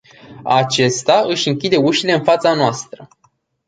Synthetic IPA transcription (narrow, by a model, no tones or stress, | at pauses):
at͡ʃe̞st̪aɨʃʲɨŋkʲid̪e̞uʃile̞ɨnfat̪sanoast̪ɾə